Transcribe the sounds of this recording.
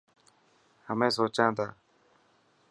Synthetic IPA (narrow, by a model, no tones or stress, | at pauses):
həmẽːsoːt͡ʃãːd̪aː